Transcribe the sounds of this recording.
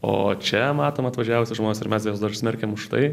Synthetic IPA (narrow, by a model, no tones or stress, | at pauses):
o̰ːt͡ʃʲɛmɑːt̪oːmɐt̪ʋɐʒʲæʋʊsʲɪʒmoːnʲːsɪɾmʲɛsjoːsd̪ɐsʲmʲɛɾʲkʲemʊʃt̪ɐ̰ɪ